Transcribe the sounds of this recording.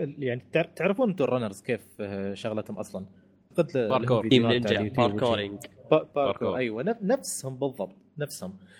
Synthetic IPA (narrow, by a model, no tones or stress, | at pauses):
jaʕnit̪ɪʕɾt̪ɪʕɾɑfuːnʔt̪urˤanɑɾzkeːfʃaɣlat̪hʊmʔɑ̰sˤlɑn | qɪd̪ɾidaɪnaiːt̪ːoɪŋɡbbɑːɾkoʔajwananafshʊmbɨðˤːɑbt̪ˤnafshʊm